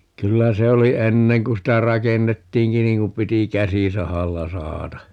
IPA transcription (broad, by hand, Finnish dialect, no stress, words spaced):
kylːæ se oli enːeŋ kun sitæ rɑkenːetːiːŋki niːŋ kum piti kæsisɑhɑlːɑ sɑhɑtɑ